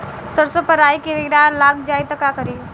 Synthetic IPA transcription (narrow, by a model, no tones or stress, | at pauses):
səɾsopəɾaːikid̪ɪɾaːlaːk̚ʰd͡ʒaːit̪ɐkakəɾiː